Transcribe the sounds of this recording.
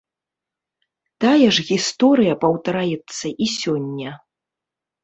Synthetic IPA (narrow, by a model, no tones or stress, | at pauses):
t̪ajɛʐɣʲist̪ɔɾɨjɐpɐwt̪ɐɾajɛt̪sːɐʔisʲɔnʲːɐ